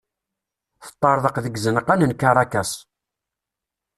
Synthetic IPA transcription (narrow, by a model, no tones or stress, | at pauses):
θə̥t̪ˤːɑɾˤðˤəqðəɡzənəqænənkaɾˤɑkæs